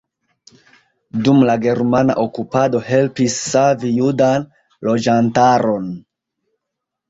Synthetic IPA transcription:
dumlaɡe̞ɾmana̰ʔokupado̞he̞lpisːavijudan | lo̞d͡ʒantaɾo̞n

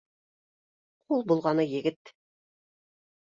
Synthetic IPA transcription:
qʰulˠbulˠʁɑnɤjɘ̆ɡɘt̪

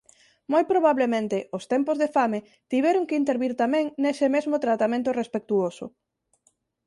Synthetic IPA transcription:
mojpɾoβ̞aβlemẽnt̪ɪʊst̪ɛmpozðefame | t̪iβ̞ɛɾʊŋkeint̪eɾβiɾt̪amɛ̃ŋnesɪmezmʊt̪ɾat̪amẽnt̪ʊrespek̚t̪uosʊ̰

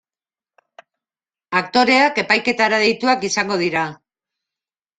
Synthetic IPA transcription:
akt̪o̞ɾe̞ake̞pajke̞t̪aɾaðe̞jt̪uakisaŋɡo̞ð̞iɾa

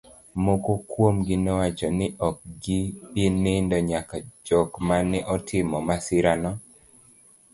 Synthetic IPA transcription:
mokokwomɡɪnɛwat͡ʃɔnɪʔɔk̚ɡipenendɔɲakad͡ʒɔkmanɛʔɔtʰɪmɔmasɪɾanɔ

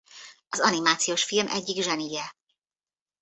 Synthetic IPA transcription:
ɒzɒnimaːt̪sijoːʃfilmʔɛ̰ɟːiɡʒɛnijɛ

